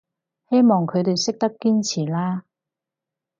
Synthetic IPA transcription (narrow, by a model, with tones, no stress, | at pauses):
he˥jmɔː˨˩ŋkʰɵ˨˧ɥt̪e˨jsɪ˥k̚t̪ɐ˥p̚kiː˥nt͡sʰiː˨˩laː˥